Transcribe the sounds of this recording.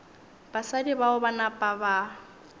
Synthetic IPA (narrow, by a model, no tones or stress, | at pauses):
b̥asadibaʊbanapʼaba